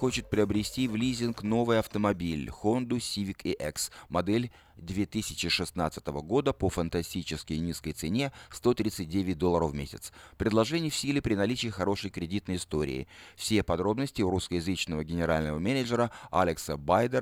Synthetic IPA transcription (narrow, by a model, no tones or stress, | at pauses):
xo̞t͡ɕɪt̪̚pɾʲɪəbɾʲɪsʲtʲivlʲizʲɪnkno̞vɨjɐft̪əmɐbʲilʲxond̪ʊsʲivʲɪkɪʔɛksmɐd̪ɛlʲ | d̪vʲe̞t̪ɨsʲɪ̥t͡ɕɪʂɨsna̰t̪sɨ̥t̪əvəɡo̞d̪əpəfənt̪ɐsʲtʲit͡ɕɪskʲəjnʲiskəjt̪sɨnʲe̞st̪o̞t̪ɾʲit̪sɨt̚ʲdʲevʲɪt̚ʲd̪o̞lˠːəɾəfmʲesʲɪt̪spɾʲɪd̪lˠɐʐɛnʲɪjəfsʲilʲɪpɾʲɪnɐlʲit͡ɕɪːxɐɾo̞ʂəjkɾʲɪdʲit̪nəjɪst̪o̞ɾʲɪ̰ːɪ̰fsʲepɐd̪ɾo̞bnəsʲtʲɪʊɾuskəjɪzɨt͡ɕnəvəɡʲɪnʲɪɾalʲnəvəmʲenʲəʐəɾəa̰lʲɪksəbajd̪ə